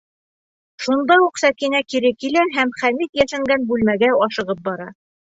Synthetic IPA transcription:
ʃund̪ɑuqsækinækiɾɘkilæɦæmχæmit̪jæʃɘ̆ŋɡænbʉlmæɡæɒʃɤ̆ʁɤp̚bɒɾɑ

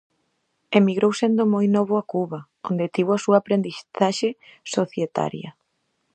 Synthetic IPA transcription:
emiɣɾowsend̪omojnɔβ̞ʊakuβɐ | o̰nd̪et̪iβoasuɐaːpɾend̪iθaʃesoθjet̪a̰ɾjɐ̰

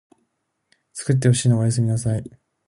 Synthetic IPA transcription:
t͡sɨ̥kɯ̟t̪̬ːe̞hoɕiːnoajas̬ɨmʲinasai

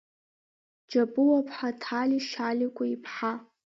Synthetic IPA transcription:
d͡ʒapʼɨwapʰħatʰaliʃalikʷʼaipʰħa

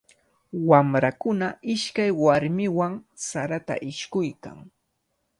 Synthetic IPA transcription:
wamɾakʊnaɪʃkajwaɾmɪwaŋsaɾat̪a̰ʔɪʃkʊjka̰ŋ

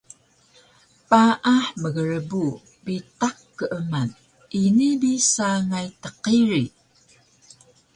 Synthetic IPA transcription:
paʔaħməɣəɾəbu | bitakːəʔəman | inibisaŋajtəqiɾi

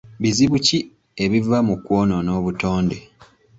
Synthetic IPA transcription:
βiziβuci | eβivamukwoːnono̞ːβuto̞ːnde

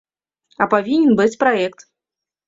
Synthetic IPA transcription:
ɐpavʲinʲɛnbɨt͡sʲpɾaɛkt̪

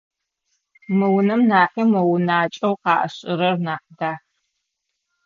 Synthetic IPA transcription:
mɨwʊnɐmnaːqiːmɐwnaːt͡ʃʼɐwqɑːʔɐ̰ɕʼɪɾɐrnaːqdaːx

